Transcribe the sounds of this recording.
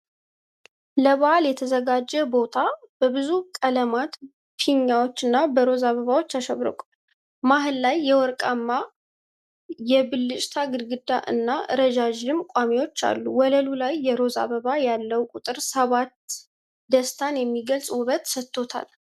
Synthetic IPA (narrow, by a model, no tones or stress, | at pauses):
ləβaaljɛt̪ʰəzəɡad͡ʒːɛbo̞t̪ʰab̥əβɨzukʼələmat̪ | fʰiɲːawo̞t͡ʃːɨnːabəɾo̞zaβəβawo̞t͡ʃːaʃəβɾɨ̰kʼ | maɦɨlːajːɛwɔɾkʼamːa | jɛbɨlːɨt͡ʃʼt̪ʰaɡɨd̪ɡɨd̪ːaʔɨ̰nːaɨ̰ɾəd͡ʒad͡ʒɨmkʷʼamewo̞t͡ʃːa̰lːuwɔləlulajːɛɾo̞za̰βəβajalːəwkʼut̪ʼɨɾsəβat̪ | d̪əst̪ʰanjɛmːiɡəlsʼwʊβət̪sət̪ʰːo̞t̪ʰa̰l